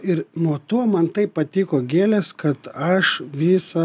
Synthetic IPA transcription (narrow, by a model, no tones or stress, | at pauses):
ɪɾnuɔt̪oɔmɐnt̪ɐɪpppɐt̪ʲiːkoːɡʲeːlʲɛskɐt̪ɐʃʋʲiːsɐ